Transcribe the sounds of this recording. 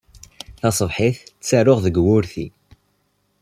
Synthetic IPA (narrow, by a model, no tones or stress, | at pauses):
θɑsˤəvħiθt͡sːæɾʊʁðəɡwʊɾθi